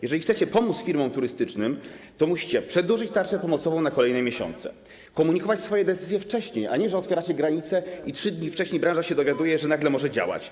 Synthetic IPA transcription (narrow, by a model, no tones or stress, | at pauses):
jɛʐɛlʲisɛt͡ɕɛpɔmut̪sfʲiɾmɔ̃mt̪uɾɘst̪ɘt͡ʂnɘmt̪ɔmuɕi̥t͡ɕɛpʂɛd̪uʐɘt͡ɕt̪aɾt͡ʂɛpɔmɔt̪sɔvɔ̃w̃nakɔlɛjnɛmʲjeɕɔ̰nt̪sɛ̰ | kɔmuɲikɔvat͡ɕsfɔjɛd̪ɛt̪sɘzʲjɛft͡ʂɛɕɲejʔa̰ɲɛʐɛɔt̪fʲjɛɾat͡ɕɛɡɾaɲit̪sɛitʂɘd̪ɲift͡ʂɛɕɲejbɾãʐaɕɛd̪ɔvʲjad̪ujɛʐɛnaɡlɛmɔʐɛd͡ʑa̰wa̰t͡ɕ